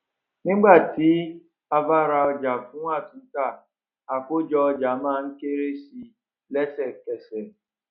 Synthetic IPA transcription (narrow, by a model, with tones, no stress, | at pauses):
nɪ˦ɡ͡ba˦˨ti˨˦ | a˨va˦˨ɾa˨ɔ˦d͡ʒa˨fu˦ŋʷa˦˨tʊ˨ŋ̩˦ka˦˨ | a˨kʊ˦d͡ʒɔ˦d͡ʒa˨maː˦˨ŋ̩˦ke˦ɾe˦si˨ | lɛ˦sɛ˨kɛ˨sɛ˨